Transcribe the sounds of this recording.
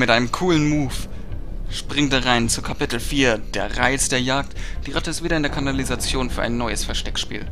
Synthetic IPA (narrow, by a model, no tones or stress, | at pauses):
mɪtʔaɪnəmkʰuːlənmuːf | ʃpʁ̥ɪŋtaʁaɪnt͡sukʰapɪtl̩fiːɐd̥eːɐʁaɪt͡sd̥eːɐjaːk̚td̥iːʁatəɪstviːɾɐɪndeɐkʰanalizat͡sjoːnfyːɐʔaɪnːɔʏəsfɛɐʃtɛkʃpḭːl